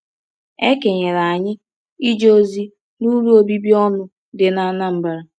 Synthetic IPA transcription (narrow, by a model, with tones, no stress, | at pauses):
e˦ke˨ɲe˨ɾa˨a˨ɲɪ˦ | i˦d͡ʒo˦zi˦ | nu˦ɾu˦o˦bi˦bi˦ɔ˦nʊ˨ | dɪ˨na˨˦na˦m̩˦ba˨ɾa˨